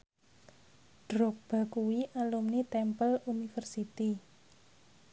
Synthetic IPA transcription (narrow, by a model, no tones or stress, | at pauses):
ɖ̥ɾɔk̚b̥a̤kuwiʔalumnit̪ɛmpəlunifərsit̪i